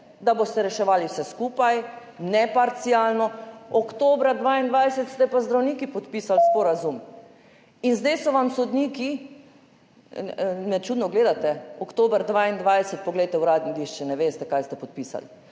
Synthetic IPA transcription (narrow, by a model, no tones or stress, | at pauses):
d̪abost̪ɛɾɛʃɛʋaːliwsɛskuːpaj | nɛpaɾt̪siaːlnɔɔkt̪oːbɾad̪ʋaːind̪ʋajsɛt̪st̪ɛpazd̪ɾawniːkipɔt̪pisalspɔɾazum | inzd̪ɛjsɔʋamsɔd̪niːki | nɛt͡ʃuːd̪nɔɡleːd̪at̪ɛɔkt̪oːbɾd̪ʋaːind̪ʋajsɛt̪̚pɔɡlɛjt̪ɛuɾaːd̪nid̪iʃt͡ʃɛnɛʋeːst̪ɛkajst̪ɛpɔt̪̚piːsa̰l